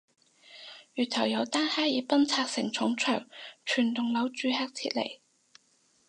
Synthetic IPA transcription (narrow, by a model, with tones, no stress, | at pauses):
jyː˨˩t̪ʰɐ˨˩wjɐ˨˧wt̪aː˥nhaː˥jiː˨˥pɐ˥nt͡sʰaː˧k̚sɪ˨˩ŋt͡sʰʊ˨˥ŋt͡ʃʰœː˨˩ŋt͡ʃʰyː˨˩nt̪ʊ˨ŋlɐ˨˥wt͡ʃyː˨˧haː˧k̚t͡sʰḭː˧t̚lḛ˨˩j